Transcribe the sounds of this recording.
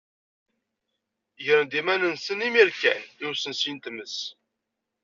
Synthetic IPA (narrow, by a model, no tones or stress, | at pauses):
ʝəɾənd̪imænənsənimiɾkæniwsənsint̪məs